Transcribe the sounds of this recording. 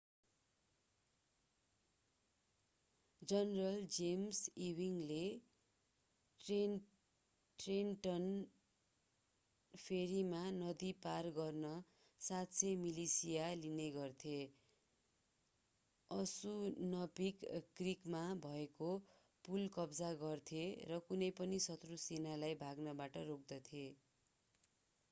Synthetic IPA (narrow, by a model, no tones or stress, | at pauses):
d͡zʌnrʌld͡zemsiwiŋle | e | ʈrenʈʌn | pʰeɾimanʌd̪iparɡʌrnʌ | sat̪sʰemilisijalineɡʌrt̪ʰe | ʌsunʌpikkrikmabʱʌeko | pulkʌbd͡zaɡʌrt̪ʰerʌkunʌjpʌnisʌt̪rusenalajbʱaɡnʌbaʈʌrok̚d̪ʌt̪ʰije